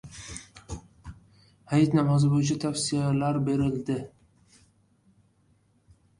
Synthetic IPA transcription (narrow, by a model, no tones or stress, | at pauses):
hajat̪namɒzɪbojɪt͡ʃʰat̪ʰafsijalaɾbe̞ɾɪld̪ɪ